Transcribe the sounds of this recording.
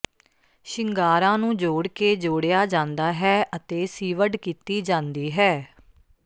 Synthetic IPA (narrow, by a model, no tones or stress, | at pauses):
ʃɪŋɡaːɾãːnũːd͡ʒoːɽkeːd͡ʒoːɽejaːd͡ʒãːnd̪aːɦɛːʔət̪eːsiːʋəɖkiːt̪iːd͡ʒãːnd̪iːɦɛː